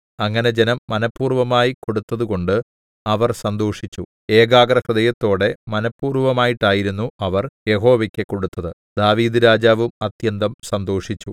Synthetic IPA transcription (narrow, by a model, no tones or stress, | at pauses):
ɐŋːɐne̞d͡ʑenɐmːɐnɐpːuːrʋɐmaːjiko̞ɽut̪ːɐðuko̞ɳɖɨ | ɐʋɐrsɐnd̪o̞ːʂit͡ɕːu | e̞ːɡaːɡɾɐhrɨðɐjɐt̪ːo̞ːɽe̞mɐnɐpːuːrʋɐmaːjiʈːaːjiɾunːuɐʋɐrje̞ɦo̞ːʋɐkʲːekːo̞ɽut̪ːɐðɨ | d̪̥aːʋiːd̪ɨɾaːd͡ʑaːʋumɐt̪jɐnd̪ɐmsɐnd̪o̞ːʂit͡ɕːu